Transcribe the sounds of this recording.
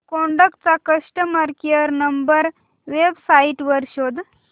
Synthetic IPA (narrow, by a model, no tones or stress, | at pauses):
kɔɳɖəkʈ̚t͡sakəʂʈəməɾkiəɾnəmbəɾ | ʋebsaiʈʋəɾɕod̪